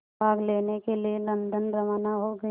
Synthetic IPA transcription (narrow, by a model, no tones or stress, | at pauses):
baːɡleːnekelielɐ̃nd̪ənɾɐmaːnaɦoɡɐ